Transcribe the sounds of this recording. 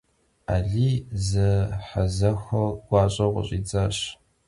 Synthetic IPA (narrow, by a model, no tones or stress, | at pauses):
aːɮiːzɨħazɐxɐɡ̥ʷɑːɕʼɐʁʷʊ̰ɕʼiːd͡zʼaɕ